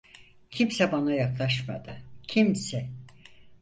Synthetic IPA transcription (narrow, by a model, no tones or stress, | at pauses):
cʰimsɛbanajaklˠaʃma̰d̪ɯcʰimsɛ